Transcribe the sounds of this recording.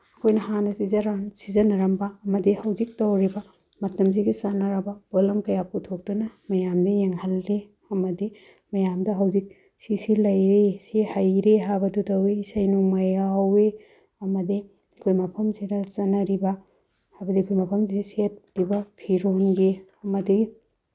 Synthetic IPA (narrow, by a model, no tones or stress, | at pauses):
ɐkʰojnɐhanɐsizɐɾansizɐnɐɾɐmbɐɐmɐdihɐwzik̚tɐwɾibɐ | mɐtɐmsiɡisanɐɾɐbɐbolɐmkɐjaputʰok̚tunɐmɐjamdɐjeŋhɐlːe | ɐmɐdi | mɐjamdɐɦɐwzik̚ | sisilɐjɾesihajɾeɦabɐdutɐwisɐjnuŋmɐjawe | ɐmɐdi | ɐkʰojmɐpʰɐmsiɾɐsɐnɐɾibɐ | hajbɐdikʰojmɐpʰɐmsiset̚pibɐpʰiɾonɡiɐmɐdi